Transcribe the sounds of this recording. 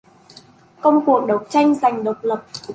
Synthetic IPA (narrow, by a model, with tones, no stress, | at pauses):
kə˧wŋ͡mku˨˩ək̚ɗə˨˩w̚t͡ɕa˧jŋ̟za˨˩jŋ̟ɗə˨˩wk͡p̚lə˨˩p̚